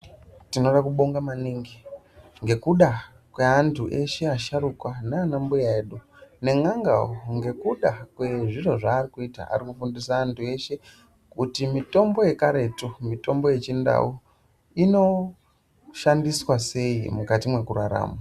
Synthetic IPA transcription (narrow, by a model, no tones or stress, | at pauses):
tino̞ɗakuɓo̞ŋɡamaniːŋɡi | ŋɡe̞kuɗa | kwe̞antʰuʔe̞ʃe̞aʃaɾukwaneanambujaeɗu | ne̞ŋaŋɡa̰oŋɡe̞kuɗakwe̞ʐiro̞ʐaːrikuita̰a̰rikufundisaːntʰue̞ʃe̞ | kutimito̞mbo̞je̞kaɾe̞tomito̞mbo̞je̞t͡ʃinda̰u | ino̞ | ʃandiswase̞imukatimwe̞kuɾaɾa̰ːma